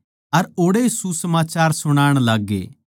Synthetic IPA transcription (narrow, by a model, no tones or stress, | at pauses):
ɐɾoːɽesusəmaːt͡ʃaːɾsʊɽ̃aːɽ̃laːɡːḛː